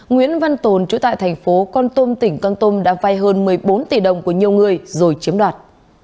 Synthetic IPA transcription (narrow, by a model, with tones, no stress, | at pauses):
ŋwḭ˧˥ənva˧nt̪o˨˩nt͡ɕu˨˧˦t̪a̰ː˧˨jt̪ʰa˨˩jŋ̟fo˨˦kɔ˧nt̪o˧mt̪ï˧˩ŋ̟kɔ˧nt̪o˧mɗa̰ː˧˥va˧jɦəː˧nmɨ˨˩əjɓo˨˦nt̪i˨˩ɗə˨˩wŋ͡mku˧˩əɲi˨˩əwŋɨ˨˩əjzo˨˩jt͡ɕi˨˦mɗwaː˨˩t̚